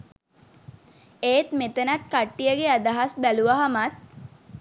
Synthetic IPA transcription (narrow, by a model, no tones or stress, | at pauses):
eːt̪met̪ənat̪̚kaʈːijəɡead̪aɦasbæluʋaɦamat̪̚